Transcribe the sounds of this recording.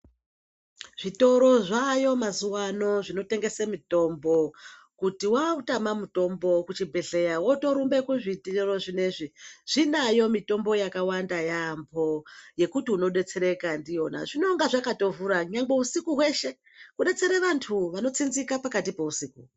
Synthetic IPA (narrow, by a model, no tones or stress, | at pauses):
ʐ̥ito̞ɾo̞ʐajo̞mazuwano̞ʐino̞te̞ŋɡe̞semito̞mbo̞ | kutiwautamamuto̞mbo̞kut͡ʃibʱe̞ɮe̞jawo̞to̞ɾumbe̞kuʐitero̞ʐine̞ʐiʐ̥inajo̞mito̞mbo̞jakawandajambʰʱo̞je̞kutiuno̞ɗe̞t͡se̞ɾe̞kandijo̞na̰ʐino̞ŋɡaʐakato̞vuɾaɲaŋɡe̞usikuɦwe̞ʃe̞ | kuɗe̞t͡se̞ɾeʋantʰuʋano̞t͡sinzikapakatipe̞usiːku